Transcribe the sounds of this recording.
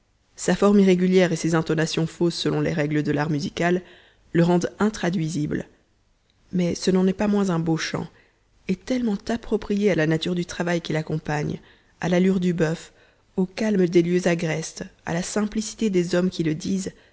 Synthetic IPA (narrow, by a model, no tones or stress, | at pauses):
safɔʁmiʁeɡʲyljɛʁesezɛ̃t̪ɔnasjɔ̃fosːəlɔ̃lḛʁɛɡləd̪əlaʁmyzikʲalː | əʁɑ̃d̪ɛ̃t̪χad̪ɥizibl | mɛsənɑ̃nɛpamwɛ̃zɛ̃boʃɑ̰̃ | ɛt̪ɛlmɑ̃t̪apχɔpχijealanat̪yʁd̪yt̪χavajkʲilakɔ̃paɲ | alalyʁd̪ybœf | okalmd̪eljøzaɡʁɛst̪a̰lasɛ̃plisi̥t̪ed̪ezɔmkʲiləd̪iːz